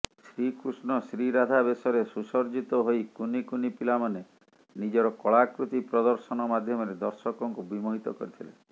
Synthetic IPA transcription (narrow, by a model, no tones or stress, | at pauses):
sɾikɾusnɔsɾiɾad̪ʱabesɔɾesusɔɾd͡ʒit̪ɔɦojkunikunipilamane | nid͡ʒɔɾɔkɔɭakɾut̪ipɾɔd̪ɔɾsɔnɔmad̪ʱjɔmɔɾed̪ɔɾsɔkɔŋkubimoɦit̪ɔkɔ̰ɾit̪ʰilḛ